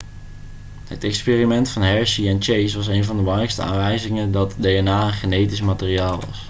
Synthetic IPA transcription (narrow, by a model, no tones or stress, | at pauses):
ɦə̰tɛkspeːrimɛntfɑnɦɛɹsiɛnt͡ʃejsʋɑs̬ejnvɑndəblɑŋrɛjkstəa̰ːnʋɛjzɪŋəndɑtdejɛnaːənχənejtismaːtɪːriaːlˠʋɑ̰s